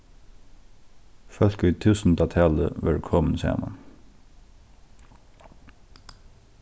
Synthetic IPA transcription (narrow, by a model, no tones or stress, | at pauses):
fœl̥kʏːt̪ʰʉːsn̩t̪ɑt̪ʰæːlə̰ʋɛɹkʰɔmənsæ̰ːma̰n